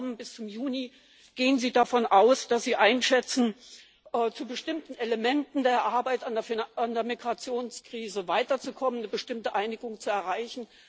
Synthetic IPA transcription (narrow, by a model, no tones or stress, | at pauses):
mənbɪst͡sʊmjuːni | ɡ̥eːənziːdafɔnʔaʊsd̥asz̥iːʔaɪnʃɛt͡sn̩ | ʔːt͡subəʃtɪmtn̩eləmɛntn̩deːɐʔaɐbaɪtandeɐfandeːɐmiɡʁat͡sjoːnskʁ̥iːzəvaɪtɐt͡sukʰɔmənəbəʃtɪmtəʔaɪnɪɡʊŋt͡suɛɐʁaɪçn̩